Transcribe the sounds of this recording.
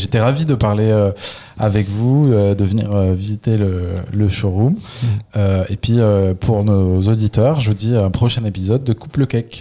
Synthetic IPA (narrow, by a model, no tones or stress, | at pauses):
ʒet̪ɛʁavid̪əpaʁleø | a̰vɛkvuød̪əvənḭʁøvizit̪elələʃoʁumøepɥiøpʰuʁnozod̪it̪œʁʒəvud̪iɛ̃pχɔʃɛ̃nepizɔd̪ːəkupləkɛk